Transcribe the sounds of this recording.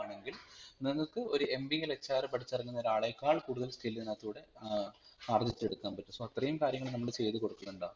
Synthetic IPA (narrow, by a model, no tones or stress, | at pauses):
ɳe̞ŋɡilniŋːɐɭkɨo̞ɾuʔe̞mbielet͡ɕːaːrɨpɐʈʰit͡ɕːɐrɐŋːunːɐoɾaːɭɐjkːaːɭkuːɽuðɐlskʰiːlt̪inːaːt̪ːuːɽe̞ | aːrd͡ʑit͡ɕ̪ːe̞ɽukːaːmpɐtːusoɐt̪rɐjumkaːɾjɐŋːɐɭnɐmːɐɽet͡ɕe̞jt̪ɨko̞ɽukːɐnːuɳɖaː